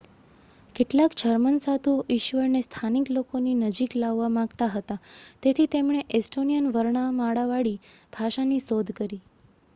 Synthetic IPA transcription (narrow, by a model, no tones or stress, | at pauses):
keʈlakd͡ʒʱəɾmənsad̪uʔɪʃʋəɾnest̪ʰaniklokoninəd͡ʒiklaʋːamãɡt̪aɦət̪at̪et̪ʰit̪emɳ̃eʔesʈonijənʋəɾɳamaɽaʋaɽib̥ʱaʃanisod̪ʱkəɾi